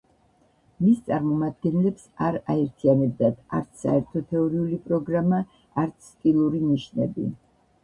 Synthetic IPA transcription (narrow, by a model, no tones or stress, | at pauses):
mist̪sʼaɾmɔmad̪̚ɡɛnlɛpsaɾaɛɾt̪ʰianɛb̚d̪at̪ʰa̰ɾt̪sʰsa̰ɛɾt̪ʰɔt̪ʰɛɔɾiulipʼɾɔɡɾama | aɾt̪sʰːk̪ʼilˠuɾiniʃnɛ̰bḭ